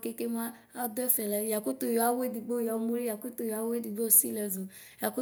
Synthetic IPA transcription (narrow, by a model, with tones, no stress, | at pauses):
ke˦ke˦ma˦ | a˦dɛ˦fɛ˨lɛ˨ja˨ku˦to˨jɔ˨a˨˦we˦di˨ɡ͡bo˦˨ja˨˦mo˦ɾi˦ja˨ko˦to˨jɔ˨a˨˦we˦di˨ɡ͡bo˦˨si˦lɛ˨zo˨ | ja˨ko˦